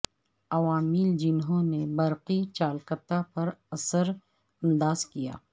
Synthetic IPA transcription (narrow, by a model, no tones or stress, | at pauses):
ɐʋaːmɪld͡ʒɪnɦõnebɐɾqit͡ʃaːlkət̪apɐɾɐsəɾ | ɐ̃nd̪aːzkija̰ː